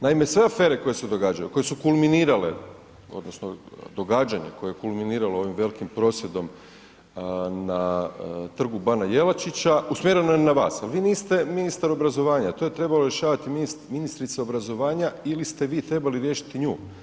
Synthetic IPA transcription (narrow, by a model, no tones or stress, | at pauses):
naime̞sʋe̞afe̞ːɾe̞ko̞jesed̪o̞ɡaːd͡ʒajṵko̞jesukulminiːɾale̞̰ | o̞̰d̪nosnod̪o̞ɡaːd͡ʑaɲḛko̞jeekulˠminiːɾaloo̞ʋimʋe̞likimpɾo̞sje̞d̪o̞m | na | t̪r̩ɡubanajelˠat͡ʃit͡ɕausmjeɾe̞nojenaʋa̰ːsalʋiːniːst̪e̞minist̪aɾo̞bɾazo̞ʋaːɲat̪o̞jet̪ɾe̞balo̞ɾje̞ʃaːʋat̪iminisminist̪ɾit̪seo̞bɾazo̞ʋaːɲailist̪e̞ʋiːt̪ɾe̞baliɾjeʃi̥t̪iɲuː